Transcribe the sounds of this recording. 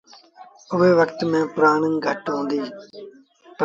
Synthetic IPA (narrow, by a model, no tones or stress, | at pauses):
ʊʋeːʋəkt̪mẽːpʊɾaːɳə̃nɡʱəʈɦõːnd̪iː | p